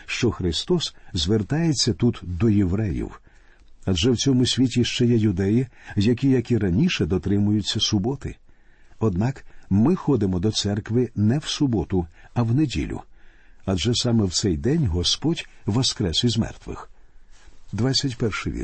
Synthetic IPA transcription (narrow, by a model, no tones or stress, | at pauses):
ʃt͡ʃɔxɾɪst̪ɔszʲʋert̪ɑjet͡sʲːɐt̪ut̪d̪ɔjeʋɾɛjḭw | ɐd͡ʒɛwt͡sʲɔmʊsʲʋʲitʲiʃt͡ʃɛjɛjʊd̪ɛjijɐkʲijɐkʲiɾɐnʲiʃɛd̪ɔt̪ɾɪmʊjʊt͡sʲːɐsʊbɔt̪ɪ̰ | ɔd̪nɑkmɪxɔd̪ɪmɔd̪ɔt̪sɛrkʋɪnɛwsʊbɔt̪ʊɐwnedʲḭlʲʊ̰ | ɐd͡ʒɛsɑmɛwt̪sɛjd̪ɛnʲɦɔspɔdʲʋɔskɾɛsɪzmɛ̰rt̪ʋɪ̰x | d̪ʋat͡sʲːɐtʲpɛrʃɪʋʲḭ